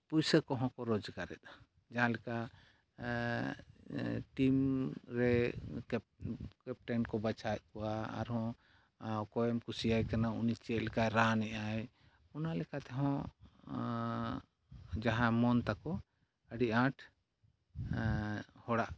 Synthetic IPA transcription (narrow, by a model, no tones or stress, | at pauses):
pujsəkɔɦɔ̃kɔɾɔd͡ʒkaɾɛ̰t̪̚ḁ | d͡ʒaɦãlɛka | ʈimɾɛkpkɛp̚ʈɛnkɔbat͡ʃʰat̪̚ˀkɔwa̰ːɾhɔ̃ | kɔɛmkusijajkanaunit͡ʃɛt̪lɛkajɾanɛʔaj | unalɛkat̪ɛɦɔ̃ | d͡ʒaɦãmɔnt̪akɔ | əɖiʔãʈʰ | hɔɽaʔ